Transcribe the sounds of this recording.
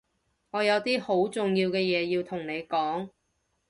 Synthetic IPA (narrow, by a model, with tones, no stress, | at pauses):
ŋɔː˨˧jɐ˨˧wt̪iː˥ho˨˥wt͡sʊ˨ŋjiː˧wkɛː˧jɛː˨˧jiː˧wt̪ʰʊ˨˩ŋne˨˧jkɔː˨˥ŋ